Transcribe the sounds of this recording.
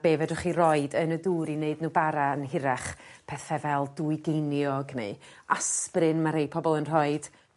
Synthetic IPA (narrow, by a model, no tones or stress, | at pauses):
b̥eːvɛdɔχirɔɨdənəduːɾineɨdnuːbaɾaənɦɪɾɛχpʰɛθɛvɛlˠduɨɡejnjɔɡnɨ̰asprɨnmaɾejpʰɔbɔlˠənr̥ɔɨd̥